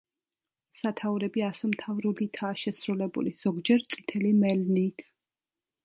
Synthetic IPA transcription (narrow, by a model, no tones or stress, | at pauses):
sat̪ʰauɾɛbiasɔmt̪ʰavɾulit̪ʰaːʃɛsɾulɛbṵliz̥ɔɡd͡ʒɛɾt̪sʼi̥t̪ʰɛlimɛlnit̪ʰ